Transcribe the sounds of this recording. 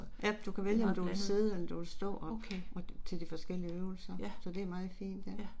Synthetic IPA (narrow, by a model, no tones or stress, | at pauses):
jæd̥ukʰæʋeljəɒmd̥uʋelse̝ð̞̩ˠeld̥uʋelsd̥ɔ̰̽ːɒ̽kʰeʔɒ̽t͡sʰe̝ld̥ifɒ̽sɡ̥el̰iəøːʊl̩sɐsɒ̽d̥e̝æɐmɑ̈ːð̩ˠfḭːnd̥jæ